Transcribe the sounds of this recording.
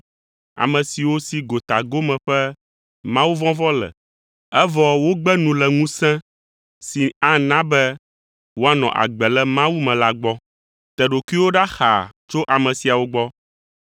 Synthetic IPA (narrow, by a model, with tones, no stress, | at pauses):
a̰˨mɛ̃˨si˨wo˦si˨ɡo˨t̪a˨ɡo˦mɛ̃˨ɸɛ˦ | mã˦wu˦vɔ̃˦vɔ˦lɛ̰˨ | ɛ˦vɔ˨wo˦ɡ͡bɛ˦nũ˨lɛ˨ŋũ˦sɛ̃˦ | si˨a˦nã˦bɛ˦ | wo˦a˦nɔ̰̃˨ʔa̰˨ɡ͡bɛ˨lɛ˦mã˦wu˦mɛ̃˨la˦ɡ͡bɔ˦ | t̪ɛ˨ɖo˨ki˦wo˦ɖa˦xa̰˨t͡ʃo˦ʔa˨mɛ̃˨si˨a˨wo˦ɡ͡bɔ˦